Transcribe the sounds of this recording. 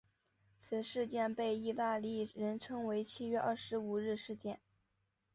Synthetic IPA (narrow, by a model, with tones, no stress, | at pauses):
t͡sʰɹ̩˨˩ʂɻ̩˥˧t͡ɕjɛ˥˧npe˥˧ɪi˥˧t̪a˥˧li˥˩ɻə˧˥nʈ͡ʂʰɤ˥ŋwe˧˥ɪt͡ɕʰi˥ɥɛ˥˧ʔɐ˥˩ʂɻ̩˧˥u˨˩ɻɻ̩˥˧ʂɻ̩˥˧t͡ɕjɛ˥˩n